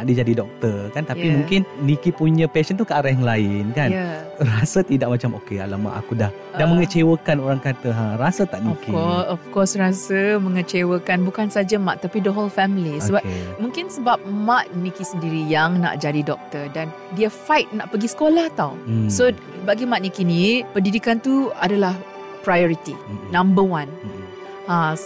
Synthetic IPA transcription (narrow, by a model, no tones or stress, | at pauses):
aʔdid͡ʒadidɔk̚t̪ərkant̪ajimũŋkɪnnikipuɲə̃pɛʃənt̪ukəaɾajaŋlaɪnkanja | rasət̪idaʔ̚mat͡ʃamokea̰lama̰ʔa̰kudah | danməŋət͡ʃewəkanoɾaŋkat̪əɦãɾasət̪aʔniɔfkiɔsɔfkɔsrasəmə̃ŋət͡ʃewəkanbukansad͡ʒamaʔ̪ːapidəɦolfɛmilisəbapkmũŋkɪnsəbap̚mat̪̚nikisəndiɾijaŋna̰ʔd͡ʒadidɔk̚t̪ədan | diəfajt̪̚naʔpəɡisə̥kolaht̪awso | baɡimat̪̚nikinĩpəndidikant̪uadalah | pɾajɔɾit̪inãmbəwãn | ã